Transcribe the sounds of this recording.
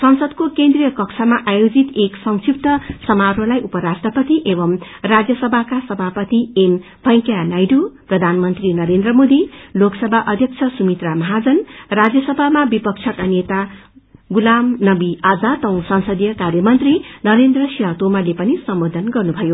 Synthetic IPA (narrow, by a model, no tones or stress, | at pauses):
sʌŋsʌd̪kokend̪rijʌkʌksʰamaʔajod͡zit̪eksʌŋsip̚t̪ʌsʌmaɾolajʔupʌɾasʈrʌpʌt̪iʔebʌm | rad͡zjʌsʌbʱakasʌbʱapʌt̪iem | bʱʌj̃kjanajɖuprʌd̪ʱanmʌnt̪rinʌɾend̪rʌmod̪iloksʌbʱaʔʌd̪ʱjʌk̚t͡sʰʌsumit̪ramʌɦad͡zʌnrad͡zjʌsʌbʱamabipʌk̚t͡sʰʌkanet̪a | ɡulamnʌbiad͡zat̪ʌ̃w̃sʌŋsʌd̪jʌkarjʌmʌnt̪rinʌɾend̪rʌsiɦãt̪omalepʌnisʌmbod̪ʱʌnɡʌrnubʱʌjo